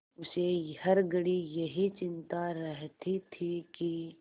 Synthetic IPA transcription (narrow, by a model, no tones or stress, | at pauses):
ʊsehɐɾɡəɽijɐɦit͡ʃɪnt̪aɾɐɦt̪it̪ʰiki